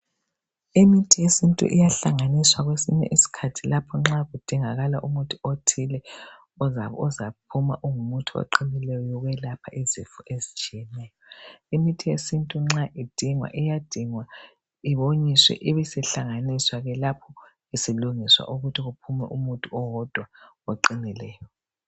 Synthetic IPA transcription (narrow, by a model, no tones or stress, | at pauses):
imitʰijesintʼṵʔḭjaɬaŋaniswaɣwesḭɲɛ̰ʔisi̥kʰatʰilapʰɔŋ͡ǁaɣud̥ʱiŋaɣalaʔumutʼuotʰilɛ | ɔzaɔzapʰuma̰ʔuŋumutʰuo̰ǃʰinilɛjɔjɔɣwɛlapʰaʔizifɔʔezit͡ʃʼijɛnɛːjɔimitʰijesintʼuŋ͡ǁaʔid̥ʱiŋwa̰ʔijad̥ʱiŋwa | iβoɲiswɛ̰ʔiβɛsɛɬaŋaniswaɣɛlapʰɔ | isiluŋiswa̰ʔuɣutʰiɣupʰumɛ̰ʔumutʼuɔwɔd̥ʱwa | oǃinilɛːjɔ